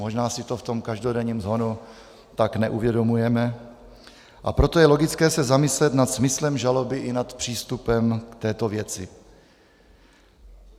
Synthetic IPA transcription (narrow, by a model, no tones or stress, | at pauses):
mo̞ʒnaːsɪt̪o̞ft̪o̞mkaʒdo̞dɛɲiːmzoːnu | t̪aknɛʔuvjɛdo̞mujɛmɛ | ʔa̰pɾo̞t̪ojɛlo̞ɡɪt͡skɛːsɛzamɪslɛt̪nat̪smɪslɛmʒalo̞bɪʔɪnat̪pr̝̥iːst̪upɛmkt̪ɛːt̪ovjɛt͡sɪ